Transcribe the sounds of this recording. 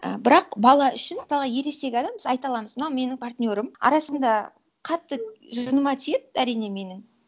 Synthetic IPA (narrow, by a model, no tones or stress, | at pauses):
ə̰bɪɾɑqbɑlˠɑʔʏʃɪnmət̪ɑlˠʁɑje̞ɾe̞st̪e̞ɡʲɪɑd̪ɑmbəzɑjt̪ɑlˠɑməzmənɑwme̞nɪŋpʰart̪ʲnʲo̞ɾəmɑ̰ɾɑsənd̪ɑ | qʰɑt̪ːəʒʊnəmɑt̪ʰet̪æɾijne̞me̞nɪŋ